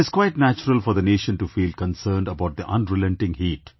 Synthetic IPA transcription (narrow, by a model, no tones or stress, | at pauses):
ɪz̥kwaɪʈnæt͡ʃəɾəlfɔɾd̪əneːʃə̃nʈufiːlkə̃nsəːɳɖəbaʊʈ̚d̪iʔʌ̃nɾɪlɛ̃nʈɪ̃ŋhiːʈ